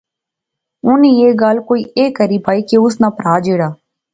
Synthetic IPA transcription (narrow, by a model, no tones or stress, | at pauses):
ʊnĩːeːɡaːlkoːiːʔeːkəɾiːpaːiːkeʊsnaːpəɾaːd͡ʒeːɽaː